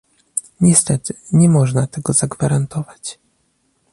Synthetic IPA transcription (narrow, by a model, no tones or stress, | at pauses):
ɲɛst̪ɛt̪ɘɲɛmɔʐnat̪ɛɡɔzaɡvaɾant̪ɔvat͡ɕ